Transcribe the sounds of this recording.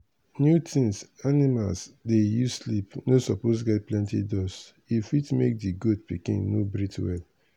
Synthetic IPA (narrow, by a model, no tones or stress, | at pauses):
njutʰĩŋsanima̰lsdejuslipnosɔposɡɛt̚plɛ̃ntḭdɔs | ifitmek̚diɡod̚pikḭ̃nnobɹitwɛl